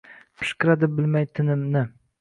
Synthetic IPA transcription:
pʰɪ̥ʃkʲɪɾad̪ɪbɪlmajt̪ʰɪnɪmnɪ

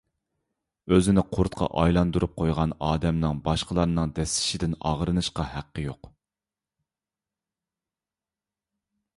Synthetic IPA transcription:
øzɪnɪqʰʊɾt̪qʰɑ̰ʔɑjlˠɑnd̪uɾup̚qʰojʁɑnɑːd̪ɛmnɨŋbɑʃqəlˠɑɾnɨŋd̪ɛsɪ̥ʃɪd̪ɪnɑʁɾɨnɨʃqɑhæqːəjoq

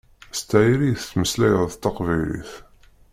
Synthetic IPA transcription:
st̪ːæʕɾijθt̪ːməslæjəðˤt̪ːɑqvilḭθ

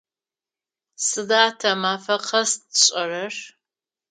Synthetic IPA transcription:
sɨdaːtʰɐmaːfɐqʰɐsɕʼɐrɐr

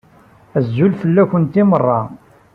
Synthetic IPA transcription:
æzːulfəlːækənt̪imərˤːɑ

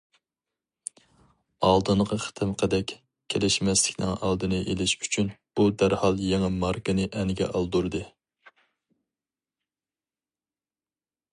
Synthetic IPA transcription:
ɑlˠd̪ɨnʁɑχə̥t̪ʰɨmqʰəd̪ɛkʲ | kʲʰːelɪʃmɛslɪkʲnɪ̰ŋɑ̰lˠd̪ɨnɨʔelɪʃy̥t͡ʃʰynb̥ud̪æɾhɑlˠjeŋɨmɑɾkɨnɨʔɛnɪɡʲɛ̰ʔɑlˠd̪uɾd̪ɨ

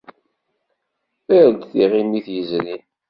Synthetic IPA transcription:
əɾd̪θiʁimiθjəzlin

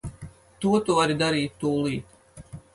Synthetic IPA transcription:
t̪uɔt̪uvaɾid̪aɾiːt̪ːuːlˠiːt̪

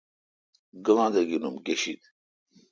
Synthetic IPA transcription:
ɡəʋãːd̪ɐɡinumɡeɕit̪

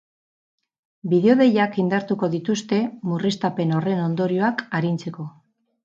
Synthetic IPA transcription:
biðeo̞ðe̞jakind̪aɾt̪uko̞ðit̪ust̪e̞murist̪ape̞no̞re̞no̞nd̪o̞ɾio̞akaɾint͡se̞ko̞

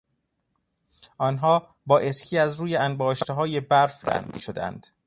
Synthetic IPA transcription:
ʔɒːnɦɒː | bɒːʔe̞skʰiːæzɾuːjeænbɒːʃt̪eɦɒːje̞bæɾfd̪æ̰nd̪ʃod̪æ̰nd̪̥

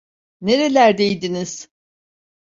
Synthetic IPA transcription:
ne̞ɾe̞lʲæɾd̪e̞jd̪iniz̥

